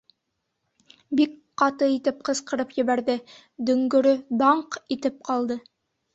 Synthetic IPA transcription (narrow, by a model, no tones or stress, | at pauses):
bik | qɑt̪ɤit̪ɘp̚qɤ̆sqɤ̆ɾɤpjɘ̆βæɾðɘ | d̪ɵ̆ŋɡɵ̆ɾɵd̪ɑɴqit̪ɘp̚qɑlˠd̪ɤ